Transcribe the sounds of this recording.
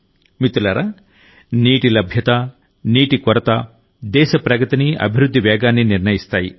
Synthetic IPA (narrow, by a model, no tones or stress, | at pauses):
mit̪ulɐɾa | niːʈilɐbʱjɐt̪a | niːʈikɔɾɐt̪a | d̪ɛːʃɐpɾɐkɐt̪iniɐ̰bʱiɾud̪ʱːiʋɛːɡaːnːiniɾnɐjist̪aːjḭ